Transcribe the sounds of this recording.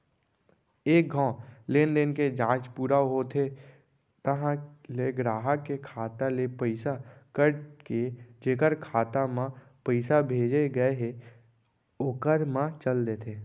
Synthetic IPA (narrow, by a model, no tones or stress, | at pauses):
eːk̚ɡʱãːleːnd̪enked͡ʒãːt͡ʃpuːɾaɦot̪ʰe | t̪əɦãleɡɾaːɦəkːekʰaːt̪alepəɪsakəɾked͡ʒeːkəɾkʰaːt̪amã | pəɪsabʱeːd͡ʒeɡəeɦe | okəɾmãt͡ʃəld̪eːt̪ʰeː